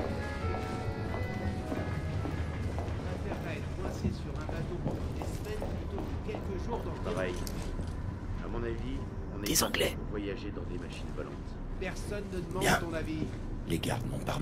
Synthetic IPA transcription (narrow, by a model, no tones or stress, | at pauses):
ɛ̃t̪ɛʁɛɛt̪kwɛ̃sesyʁɛ̃bat̪opɑ̃d̪ɑ̃d̪esmɛn | t̪ũ | kʲɛlkəʒuʁd̪ɑ̃avaj | a̰mɔ̃navi | ɔ̃nɛd̪ezɑ̃ɡlɛ | vwajaʒed̪ɑ̃d̪emaʃinvɔlɑ̰̃t̪ | pɛʁsɔnːəd̪əmɑ̃jɛ̃t̪ɔ̃navi | leɡa̰ʁd̪nɔ̃paʁm